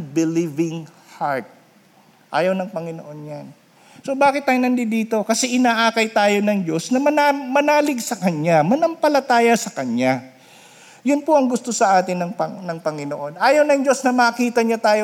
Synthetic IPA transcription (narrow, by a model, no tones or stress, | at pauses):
bɪlivɪŋ | haɹt̪̚ | ʔa̰ːjɐwnɐŋpɐŋɪno̞ʔo̞njan | sobaːkɪt̪̚ːaːjonɐnd̪ɪd̪iːt̪o̞kɐsɛʔɪnaːʔaːkɐjt̪aːjo̞nɐŋd͡ʒo̞snɐmɐnamɐnaːlɪɡsɐkɐɲamɐnɐmpɐlɐt̪aːjɐsɐkɐɲa | jʊnpoʔɐŋɡʊst̪o̞sɐʔaːt̪ɪnːɐŋpɐnɐŋpɐŋɪnoʔo̞nʔaːjɐwnɐŋd͡ʒo̞snɐmɐːkiːt̪ɐɲot̪aːjo